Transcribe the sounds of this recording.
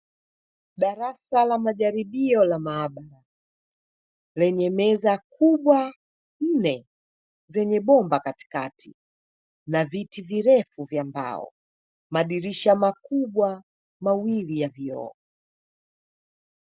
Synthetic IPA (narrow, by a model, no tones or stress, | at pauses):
ɗaɾasalamaʄaɾiɓiɔlamaːɓaɾa | lɛɲɛmɛzakuɓwa | n̩nɛ | zɛɲɛɓɔmbakati̥katʰi | navitiviɾɛfuvjamba̰ɔ̰ | maɗiɾiʃamakuɓwa | mawilijaviɔ̰ɔ